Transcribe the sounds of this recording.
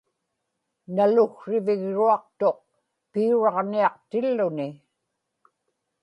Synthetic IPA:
nalʊɣʂɪvɪɣɻuɑq̚t̪o̞q̚ | piuɻɑʁniɑqt̪ɪlːʊnɪ

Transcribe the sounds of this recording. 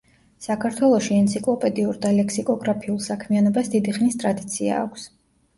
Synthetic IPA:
sakʰaɾt̪ʰwɛlˠɔʃiɛnt̪sʰikʼlˠɔpʼɛd̪iuɾd̪alɛksikʼɔɡɾapʰiulˠsakʰmianɔbasd̪id̪iχnist̪ʼɾad̪it̪sʰia̰ːkʷʰs

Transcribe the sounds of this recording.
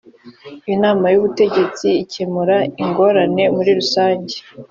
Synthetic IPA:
inaːmajuβute̞ɟe̞t͡siːcemuɾaiŋɡo̞ɾane̞muɾiɾusaːɲɟe̥

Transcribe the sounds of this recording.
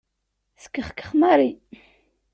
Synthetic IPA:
skːəχkːə̥χmaɾi

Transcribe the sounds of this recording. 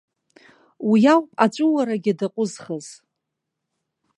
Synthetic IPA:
wijawpʼat͡ʃʷʼʊwaɾaɡʲɪdaqʷʼʊzχəz̥

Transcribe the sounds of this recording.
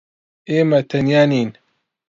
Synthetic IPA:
eːmɐt̪ʰɐnjaːniːn

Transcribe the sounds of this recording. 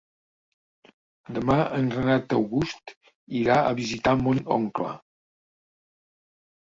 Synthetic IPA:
d̪əmaəŋɡɾənat̪əwɣust̪ | iɾaə̰βizit̪amonɔ̰ŋklə̰

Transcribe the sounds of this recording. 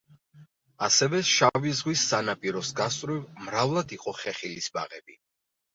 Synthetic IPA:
asɛvɛʃavizʁwisːanapʼiɾɔsɡast̪ʼɾivmɾavlˠad̪iqʼɔχɛχilisba̰ʁɛbi

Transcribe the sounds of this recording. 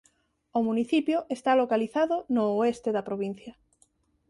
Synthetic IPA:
ʊmuniθipjoʔest̪alokaliθaðʊnoːest̪eðɐpɾoβin̟θjɐ

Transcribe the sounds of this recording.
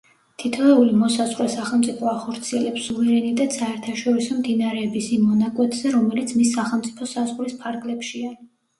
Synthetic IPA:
t̪ʰit̪ʰɔɛulimɔsazʁɾɛsaχɛlˠmt̪sʼipʰɔaχɔɾt̪sʰiɛlɛpsuvɛɾɛnit̪ʼɛt̪saɛɾt̪ʰaʃɔɾisɔmd̪inaɾɛːbisimːɔnakʼwɛt̪ʼz̥ɛɾɔmɛlit̪sʰmisːaχɛlˠmt̪sʼipʰɔsazʁlispʰaɾɡlɛpʃia

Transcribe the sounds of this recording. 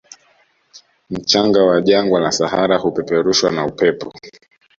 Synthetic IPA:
m̩t͡ʃaŋɡawaʄaŋɡwalasahaɾahupɛpɛɾuʃwanaupɛpɔ

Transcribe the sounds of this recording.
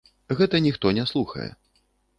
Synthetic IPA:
ɣɛt̪ɐnʲixt̪ɔnʲɛslˠuxɐ̰jɛ̰

